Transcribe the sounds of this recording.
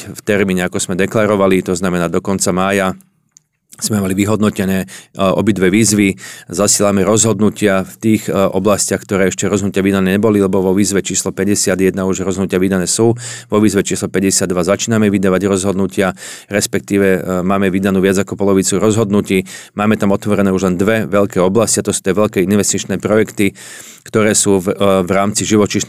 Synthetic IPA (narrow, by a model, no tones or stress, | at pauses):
ft̪ɛɾmiːɲɛakɔz̥mɛd̪ɛklaɾɔʋalit̪ɔznamɛnaːd̪ɔkɔnt͡samaːja | z̥mɛmaliʋiɦɔd̪nɔcɛnɛːɔ̰bid̪ʋɛʋiːzʋizasɪɛːlamɛɾɔzɦɔd̪nucɪaft̪iːxʔɔblascɪaxk̚t̪ɔɾɛːɛʃcɛɾɔzɦnucɪaʋid̪anɛːɲɛbɔlilɛbɔʋɔʋiːzʋɛt͡ʃiːslɔpɛɟɛsɪad̪jɛd̪nauʒɾɔzɦɔnucɪaʋid̪anɛːsuːʋɔʋiːzʋɛt͡ʃiːslɔpɛɟɛsɪad̪ːʋazat͡ʃiːnamɛʋid̪aːʋaɟɾɔzɦɔd̪nucɪaɾɛspɛk̚t̪iːʋɛmaːmɛʋid̪anuːʋɪad͡zakɔpɔlɔʋit͡suɾɔzɦɔd̪nuciːmaːmɛt̪amɔt̪ʋɔɾɛnɛːuʒlɛnd̪ʋɛʋɛʎkɛːɔblasciat̪ɔsu̥ːt̪ɪɛʋɛʎkɛːinʋɛst̪it͡ʃnɛːpɾɔjɛkt̪i | kt̪ɔɾɛːsuːʋɾaːmt͡siʒiʋɔt͡ʃiʃ